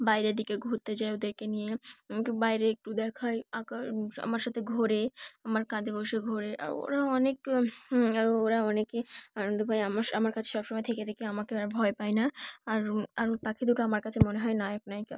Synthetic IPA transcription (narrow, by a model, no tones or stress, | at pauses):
bajɾed̪ikeɡʱuɾt̪ed͡ʑaeod̪eɾkenijebajɾeek̚ʈud̪ɛkʰaeakaa̰maɾʃat̪ʰeɡʱoɾeamaɾkad̪ʱeboʃeɡʱoɾeʔa̰ɾo̰ɾaɔnek | aɾoɾaɔnekeanond̪ʱobʱajamaɾamaɾkat͡ɕʰe̥ʃɔbʃɔmɔjet̪ʰeket̪ʰekeamakeaɾbʱɔepajnaaɾaɾt̪akʰid̪uʈaamaɾkat͡ɕʰemoneɦɔenajoknajka